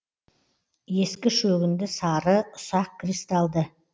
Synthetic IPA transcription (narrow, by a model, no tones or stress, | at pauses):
je̞skʲɪʃɵɡʲɪnd̪ɪsɑɾəʊsɑq̚kʲɾist̪ɑlˠd̪ə